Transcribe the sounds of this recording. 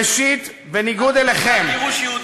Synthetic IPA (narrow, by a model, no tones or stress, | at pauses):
eʃit̪ | beniɡud̪eleχem